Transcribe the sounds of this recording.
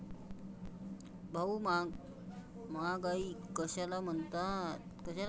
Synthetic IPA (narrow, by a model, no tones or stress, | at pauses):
bʱaumaɡ | maɡaikəɕalam̤ənt̪at̪kəɕal